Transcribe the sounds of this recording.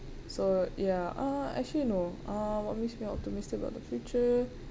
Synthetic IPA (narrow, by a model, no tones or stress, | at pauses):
sojaʔaɛ̰t͡ʃlinoʔãwɔt̚meksmiɔ̰p̚timɪstɪkba̰ʊt̚dəfjut͡ʃə